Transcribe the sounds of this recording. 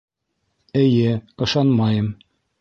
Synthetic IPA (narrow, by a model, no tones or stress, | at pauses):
ɘ̆jɘɤ̆ʃɑnmɑjɤm